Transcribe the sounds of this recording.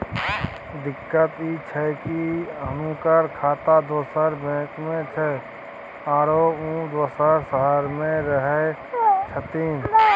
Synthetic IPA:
d̪ɪkːət̪it͡ʃʰɛkiəmũkəɾkʰaːt̪ad̪oːsəɾbɛ̃ːkmẽt͡ʃʰɛ | aːɾoũd̪oːsəɾsəɦəɾmẽɾəɦɛt͡ʃʰət̪iːm

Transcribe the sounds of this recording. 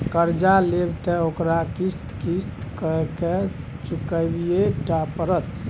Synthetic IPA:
kəɾd͡ʒalebt̪ɛokɾakist̪kist̪kəke | t͡ʃukəbijek̚ʈapəɾət̪

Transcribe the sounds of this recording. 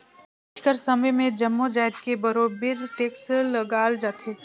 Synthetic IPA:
ʈʰkəɾsɐməjmẽd͡ʒɐmːod͡ʒaːɪd̪kebɐɾoːbɪɾʈeːkslɡaːld͡ʒaːt̪ʰeː

